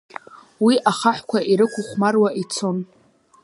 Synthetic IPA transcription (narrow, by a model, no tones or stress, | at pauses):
wiʔaχaħʷkʷʰaʔiɾɨkʷʰʊχʷmarwaʔit͡sʰo̞n